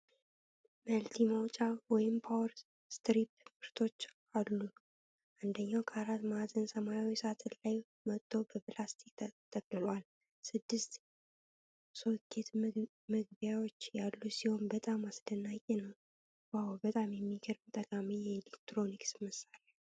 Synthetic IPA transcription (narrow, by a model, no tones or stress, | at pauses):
məlt̪ʰimawt͡ʃʼawɔjɪmpʰawɾ | st̪ɾip̚fɨɾt̪ʰo̞t͡ʃː | alːu | ʔand̪əɲːawkʰəaɾat̪mat̪ɨnsəmajawisat̪ʰɨnlaj | mət̪ʼːo̞bəplast̪ʰik̚t̪ʰəkʼlɨlwal | sɨd̪ːɨst̪ | so̞kʰʼːe̞t̪ | mɨɡbjawot͡ʃːjalːusiho̞nbət̪ʼamasd̪ənːakʼenəw | wawbət̪ʼamjɛmːiɡəɾbt̪ʼəkʼamijɛelekt̪ɾo̞niksmɨsala